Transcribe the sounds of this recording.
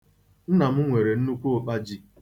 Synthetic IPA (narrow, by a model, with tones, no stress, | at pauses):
n̩˦na˨m̩˦ŋʷe˨ɾe˨n̩˦nu˦kʷu˦o˦k͡pa˦d͡ʒi˦